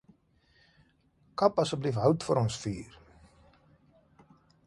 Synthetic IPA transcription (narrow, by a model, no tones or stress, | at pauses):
kɐpɐsəblifɦœwtfəɾɔnsfiːr